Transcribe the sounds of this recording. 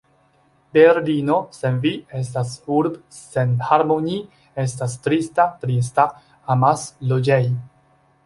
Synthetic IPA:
beɾlino̞se̞nvie̞s̬tasuɾb | senhaɾmoni | e̞stastɾistatɾis̬ta | amaslod͡ʒej

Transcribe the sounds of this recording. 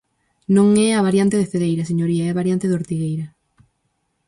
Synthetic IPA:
nõŋɛaβaɾjant̪eðefeðejɾɐs̬eɲoɾiaɛβaɾjant̪eðoɾt̪iɣejɾɐ

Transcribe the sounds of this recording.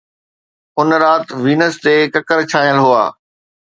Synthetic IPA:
ʊnɾaːt̪ʋiːnəst̪eːkɐkəɾt͡ɕʰaːɦijəlɦua̰ː

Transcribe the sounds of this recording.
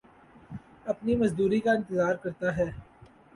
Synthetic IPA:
ɐpnimɐzd̪uːɾikaɪ̃nt̪əzaːɾkɐɾt̪aɦɛː

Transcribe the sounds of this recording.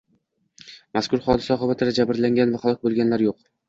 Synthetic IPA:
maskʰʊɾχɒd̪ɪsaɒχɨbat̪ʰɪd̪ad͡ʒabɪɾlaŋɡʲanvaχalˠɒk̚ʲbolˠɡʲanlaɾjoq̚

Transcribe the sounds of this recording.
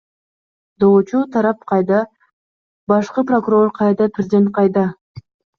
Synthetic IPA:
d̪out͡ʃut̪ʰɑɾɑp̚qʰɑjd̪ɑ | bɑʃqɯpro̞kuɾo̞rqʰɑjd̪ɑpʰrʲɪzd̪ʲent̪̚qʰɑjd̪ɑ

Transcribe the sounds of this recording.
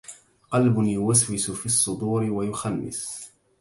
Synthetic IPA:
qɑlbʊnjʊwaswɪsʊfiːɑsˤːʊd̪ˤuːɾɪwajʊxanːɪ̰s

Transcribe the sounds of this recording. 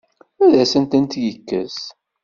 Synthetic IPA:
æðæsənt̪ənt̪jəkːə̰z

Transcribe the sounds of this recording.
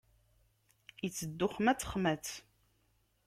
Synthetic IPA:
jət͡sːəd̪ːʊχmæt͡sːə̥χmæt͡s

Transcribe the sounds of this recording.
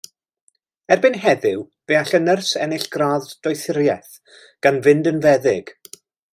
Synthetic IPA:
ɛrbɪnɦɛðɪw | veaɬənərsɛnɪɬɡ̥raðd̥ɔjθɪɾjɛθ | ɡ̥anvɪndənvɛðɪɡ̥

